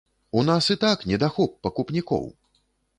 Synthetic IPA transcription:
unasɨt̪aknʲɛd̪axɔp̚ːɐkupnʲikɔ̰w

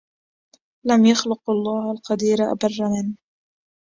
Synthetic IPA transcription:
lamjaxlʊqʔɑlˤːɑːhalqɑd̪iːɾaʔa̰bɑrˤːamɪnː

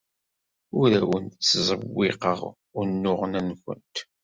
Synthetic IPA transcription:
ʊɾæwənt̪t͡sːzˤəwːɪqəʁ | ʊnːʊʁənænkʷə̰nt̪

